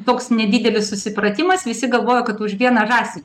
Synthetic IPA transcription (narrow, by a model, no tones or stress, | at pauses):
t̪oːksnʲɛd̪ʲiːd̪ʲɛlʲɪssʊsʲɪpɾɐt̪ʲɪmɐsʋʲɪsʲɪɡɐlˠʋoːjoːkɐt̪ʊʃʋʲiɛnɐʒɑːsʲɪ